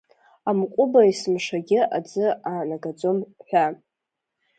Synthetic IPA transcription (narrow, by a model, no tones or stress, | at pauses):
amkʷʼʊbaismʂaɡʲɪad͡zɨanaɡad͡zomħʷᶣa